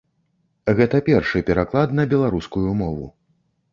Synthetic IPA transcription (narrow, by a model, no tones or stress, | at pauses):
ɣɛt̪ɐpʲɛrʂɨpʲɛɾaklˠad̪nɐbʲɛlˠaɾuskujumɔvṵ